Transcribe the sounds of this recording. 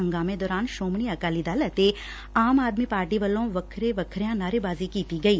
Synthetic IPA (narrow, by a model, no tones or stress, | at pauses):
ə̃ŋɡaːmẽd̪ɔːɾaːnʃoːmɳ̃iɐkaːlid̪aːlət̪e | aːmaːd̪mipaːɾʈiʋɐlõʋɐkʰɾeʋɐkʰɾjãnaːɾebaːzikiːt̪iɡɐiː